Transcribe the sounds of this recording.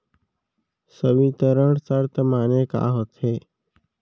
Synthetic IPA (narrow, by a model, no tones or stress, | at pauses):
səʋiːt̪əɾəɳsəɾt̪əmaːneːka̰ːɦot̪ʰɦeː